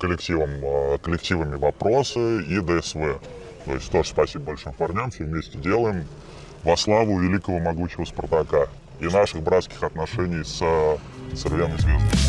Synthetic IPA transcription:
kəlʲɪktʲivəmkəlʲɪktʲivəmʲɪvɐpɾosɨid̪əɛsvɛ | t̪o̞̰ɪ̰sʲtʲt̪o̞ʐə̥spɐsʲibəbɐlʲʂɨmpɐrnʲamfʲsʲevʲmʲesʲtʲɪdʲe̞lˠəjɪm | vɐslˠavʊvʲɪlʲikəvəmɐɡuɕɪvəspərt̪ɐka | inaʂɨxbɾat̪skʲɪ̥xɐt̪nɐʂɛnʲɪjs | sɨrvʲemɨzʲvʲezd̪əm

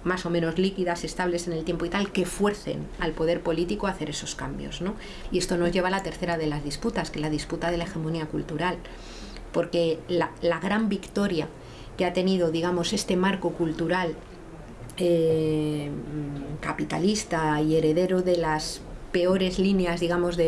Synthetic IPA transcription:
maso̞mẽno̞zlikiðase̞st̪aβle̞se̞ne̞lt̪jempo̞it̪alke̞fwe̞ɾθe̞̰na̰lpo̞ðe̞ɾpo̞lit̪ikoaθe̞ɾe̞so̞skambjo̞̰zno̞ | ie̞st̪o̞no̞zʝe̞β̞alat̪e̞ɾθe̞ɾaðe̞lazðisput̪askelaðisput̪aðe̞lae̞xe̞moniakult̪uɾal | po̞ɾke̞lalaɣɾambikt̪o̞ɾja | keat̪e̞nið̞o̞ðiɣamo̞se̞st̪e̞maɾko̞kult̪uɾal | e | kapit̪a̰list̪aie̞ɾe̞ðe̞ɾoðe̞laspe̞o̞ɾe̞zlineazðiɣ̞amo̞zðe

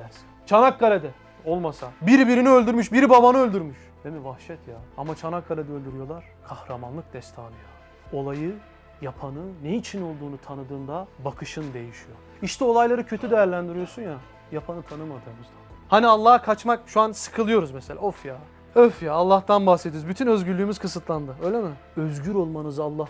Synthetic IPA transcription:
æɾsi̥nt͡ʃʰanakɡalʲed̪ɛ | o̞lˠmasabiɾibiɾiniø̞lʲd̪yɾmyʃbiɾibabanɯølʲd̪yɾmyʃ | d̪̥emivahʃɛt̪ʰjaamat͡ʃʰanakːalʲed̪ɛølʲd̪yɾyjo̞lˠaɾ̥kʰahɾamanlˠɯk̚d̪̥ɛst̪ʰaːlˠɯjo | o̞lˠajɯ | japʰanɯnejit͡ʃʰino̞lˠd̪uːnut̪ʰanɯd̪ɯːnd̪abakʰɯʃɯnd̪e̞jiʃijo̞ | iʃt̪ʰɛo̞lˠajlˠaɾɯcʰø̞t̪ʰyd̪ejæɾlʲænd̪iɾijosunja | japʰanɯt̪ʰanɯmad̪ɯːmɯzd̪ahanialˠːaːhakʰat͡ʃmakʃuansɯ̥kʰɯlˠɯjo̞ɾuzmɛse̞lʲʔa̰ofjaː | øfjaːlˠːaht̪anbahset̪ʰioɾozbyt̪ʰynø̞zɟyɾlʲyːmyz̥kʰɯsɯt̪ʰlˠand̪ɯø̞jlʲemi | ø̞zɟyɾo̞lˠmanɯzalˠːah

